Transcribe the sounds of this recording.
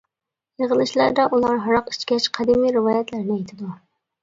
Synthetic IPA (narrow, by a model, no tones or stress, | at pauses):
jəʁəlˠɨʃlæɾd̪ɛʔulˠɑɾɦɑɾɑqit͡ʃkʲɛt͡ʃqʰæd̪imiɾɪvɑːjɛt̪læɾnɪɛjt̪ʰɪd̪u